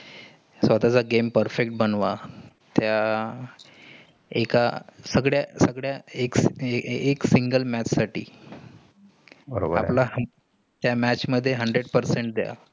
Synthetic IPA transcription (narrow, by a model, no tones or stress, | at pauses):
sʋat̪at͡saɡempəɾfek̚ʈ̚bənʋa | t̪ja | ekasəɡɽjasəɡɭjaek | eksiŋɡəlmæt͡ɕsaʈḭː | bəɾoba̰plaɦ | t̪jamæt͡ɕməd̪ʱːjeɦəɳɖɾeɽpəɾseɳʈ̚d̪eja̰